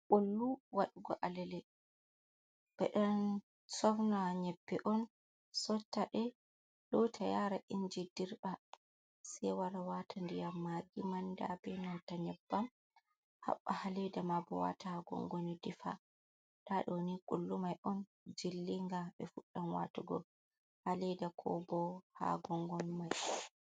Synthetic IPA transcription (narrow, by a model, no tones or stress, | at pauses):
kolːuwaɗuɡɔʔalɛlɛ | ɓɛɗɛn | sɔfnɔaɲɛpːɛʔɔn | sɔtːaɗɛ | ɗɔtʰajaɾaʔind͡ʒidiɾɓa | sɛwaɾawatʰandijamːaɡimandabɛnawtaɲɛbːam | ha̰ɓːahalɛdamabɔ̰wa̰tahaɡɔ̰ŋɡonidifa̰ | ɗaɗɔnikʼulːumajʔɔn | d͡ʒilːiŋɡaɓɛfuɗːanwa̰tuɡɔ̰ | halɛdakʰɔ̰bɔha̰ɡɔŋɡɔnmaj